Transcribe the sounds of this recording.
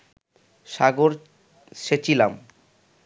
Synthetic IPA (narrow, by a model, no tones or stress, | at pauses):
ʃaɡoɾ | ʃet͡ɕʰilam